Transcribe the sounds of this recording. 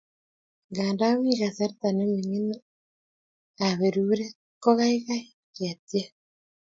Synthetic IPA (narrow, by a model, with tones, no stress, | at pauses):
ŋɡaː˨nda˦wi˦ɣasa˦ɾet̪a˨ne˦mi˨ŋi˦na˦ | aβeɾuːɾe˦ | kɔ˦ɣa˦iɣai | kea˨tja˦